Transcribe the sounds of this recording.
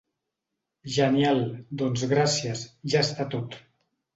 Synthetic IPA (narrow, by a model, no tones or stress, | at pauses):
ʒənjalˠd̪onzɣɾasjəzʒaest̪at̪ot̪